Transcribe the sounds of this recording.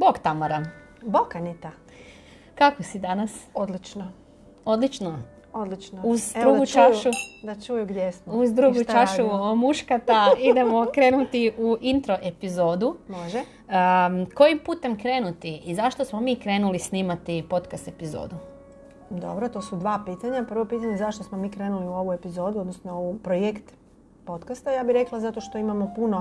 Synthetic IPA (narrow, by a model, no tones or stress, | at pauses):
boɡt̪amaɾa | bokanit̪a | kakosid̪anasod̪lit͡ʃno | o̞d̪lit͡ʃno | od̪lit͡ʃnouzd̪uːɡut͡ʃaʃud̪at͡ʃujuɡd̪jesmuzd̪ɾuɡutt͡ʃaʃuomuʃkat̪aid̪e̞mokɾe̞ːnut̪iʔuʔint̪ɾoʔe̞pizo̞ːd̪umoʒɛ | ko̞jimpuːt̪e̞mkɾe̞ːnut̪iːzaʃt̪o̞smomiːkɾe̞ːnulisniːmat̪ipo̞t̪kast̪e̞pizo̰ːd̪u | d̪o̞̰bɾot̪oːsud̪ʋaːpit̪aɲapr̩ʋo̞piːt̪aɲezaʃt̪osmomiːkɾenuliuo̞ʋue̞pizo̞ːd̪uod̪nosnoupɾojekt̪ | po̞t̪kast̪ajaːbiɾeklˠazat̪oʃt̪o̞imamopuno